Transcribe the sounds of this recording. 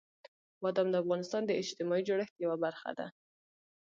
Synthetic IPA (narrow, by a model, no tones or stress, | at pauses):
mɑd̪amd̪əafɣɑnɪst̪ɑnd̪əɪd͡ʒt̪ɪmɑid͡ʒoɽəxt̪jawabaɾxa̰d̪a̰